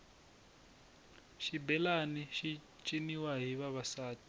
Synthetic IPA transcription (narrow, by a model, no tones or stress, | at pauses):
ʃibɛlaniʃi | t͡ʃʼiniwaɦiβaβasaːti̥